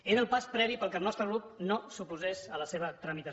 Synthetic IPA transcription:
ezəlˠpaspɾɛβipəlˠkəlˠnɔst̪ɾəɣɾup̚nosupuzezələseβət̪ɾəmit̪ə

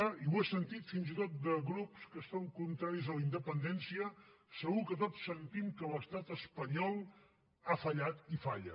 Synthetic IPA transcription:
iwesənt̪it̪finzit̪ot̪̚d̪əɣɾupskəst̪ɔŋkunt̪ɾaɾizðələind̪əpənd̪ɛnsiə | səɣukət̪ɔtsːənt̪imkələst̪at̪əspəɲɔlˠ | afəʎat̪ifaʎə̰

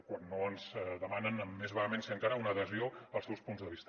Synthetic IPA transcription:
kwanːoənzðəmanənəmːezβaəmenseəŋkaɾəunəːðəzioəlˠsɛwspunzðəβist̪

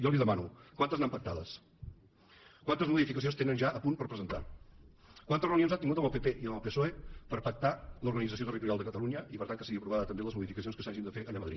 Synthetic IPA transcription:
jɔliðəmanukwant̪əznampək̚t̪aðəs | kwant̪əzmuðifikəs̬onst̪enənʒaʔəpunpəɾpɾəzənt̪a̰ | kwant̪ərəunionzat̪iŋɡut̪əməlˠpepeʔiəməlˠpesoepəɾpək̚t̪aluɾɣənidd͡zəsiot̪ərit̪uɾjalˠd̪əkət̪əluɲəipəɾt̪aŋkəsiɣiəpɾuβaðət̪əmbeləzmuðifikəsionskəsaʒind̪əfeʔəʎaməðɾḭt̪

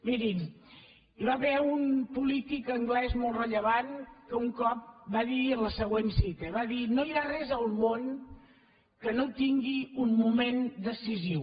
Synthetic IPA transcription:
miɾim | iβaβɛunpulit̪ikəŋɡlɛzmolˠrəʎəβankəuŋkɔp̚baðiənləsəɣwensit̪əβaðinojarɛzəlˠmon | kənot̪iŋɡiummumend̪əsiziw

